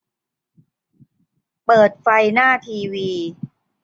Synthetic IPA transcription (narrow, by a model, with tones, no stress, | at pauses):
pɤː˨˩t̪̚fa˧jnaː˥˩t̪ʰiː˧wiː˧